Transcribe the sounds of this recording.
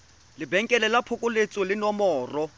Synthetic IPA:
lɪbɛŋ̩kʼɛlɛlapʰʊkʼʊlet͡sʼɔlɪnɔmɔːrɔ

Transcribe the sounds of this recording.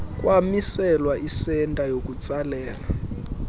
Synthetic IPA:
k̬ʼwamisɛlwaʔisɛntʼajok̬ʼut͡sʼalɛːla

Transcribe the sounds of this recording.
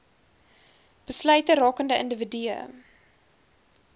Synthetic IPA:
b̥əslœɥtəɾɑːkəndəʔəndəvədyə̰

